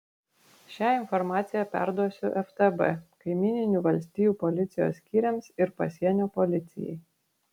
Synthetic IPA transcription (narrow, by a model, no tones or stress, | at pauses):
ʃʲæːɪnfɔɾmɑːt̪sʲɪjɛpʲæ̰ɾd̪uɔsʲʊʔɛft̪ɛbɛ̰kɐɪmʲiːnʲɪnʲuʋɐlʲsʲt̪ʲiːjuːpɔlʲɪt̪sʲɪjo̰ːsːʲkʲiːɾʲɛmsɪɾpɐsʲiɛnʲoːpɔlʲɪt̪sʲɪ̰jɛ̰ɪ